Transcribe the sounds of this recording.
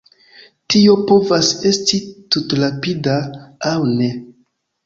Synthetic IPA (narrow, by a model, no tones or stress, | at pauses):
tio̞po̞vase̞stitutɾapidaːwne̞